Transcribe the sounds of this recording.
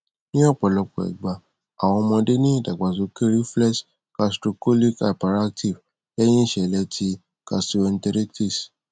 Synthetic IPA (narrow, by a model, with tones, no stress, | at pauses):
nĩ˦ɔ˦˨k͡pɔ˨lɔ˧k͡pɔ̰˨ɛ̰˨ɡ͡ba˨ | a˨w̃ɔ̃˧mɔ̃˧de˦nĩ˦˨da˨ɡ͡ba˨zo˨ke˦ɾi˦flɛ˦ʃ | ka˧sto˧ko˦li˦ka˨pa˨ɾa˦k̚tʰi˨v | lɛ˦j̃ĩ˦i˦˨ʃɛ˨lɛ˧˦tʰi˧˦ | ka˧ssu˧ɛ˧n̩˦tɛ˧ɾe˦ti˦˨s